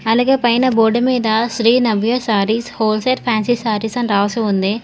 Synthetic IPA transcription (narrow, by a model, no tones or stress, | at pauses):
ɐlaːɡeːpɐjnɐboːɖɐmiːd̪ɐʃɾiːnɐʋjɐsaːɾiːshoːlseːʈ̚pʰaːnsisaːɾisɐnɾaːʋɐseund̪i